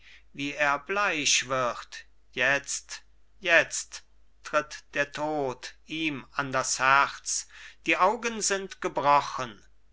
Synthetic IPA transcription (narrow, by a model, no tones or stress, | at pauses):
viːeːɐblaɪʃv̥ɪʁt | jɛt͡st | jɛt͡stː | ʁ̥ɪtd̥eːɐtʰoːtʔiːmandashɛt͡sd̥iːʔaʊɡənzɪntɡ̥əbʁɔχən